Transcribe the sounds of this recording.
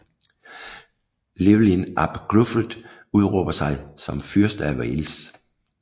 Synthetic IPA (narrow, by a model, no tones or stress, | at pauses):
leʋlinɑb̥ɡ̥lufəd̥ | uð̞ˠʁɔb̥ɐsɑ̈ɪsɒ̽mfyɐsd̥ɐæʋɛls